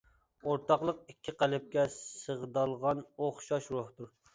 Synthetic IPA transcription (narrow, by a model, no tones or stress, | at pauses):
oɾt̪ɑqlˠəqikʲʰːɪqælɪp̚kʲɛsəʁd̪ɑlˠʁɑnoχʃɑʃɾoht̪uɾ